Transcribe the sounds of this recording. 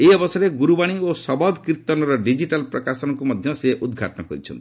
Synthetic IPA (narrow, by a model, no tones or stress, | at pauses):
eɔbɔsaɾeɡuɾubaɽ̃iosɔbɔd̪kɾit̪ɔnɔɾɔɖid͡ʒiʈalpɾɔkasɔnɔkumɔd̪ʱjɔseʔud̪ɡʱa̰ʈɔnɔkɔɾit͡ʃʰɔ̰nt̪i